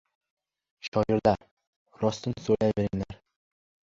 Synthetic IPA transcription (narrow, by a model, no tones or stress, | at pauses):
ʃɑjɪɾd̪æɾ | ɾɒst̪ɨnsolajbeɾɪŋlæɾ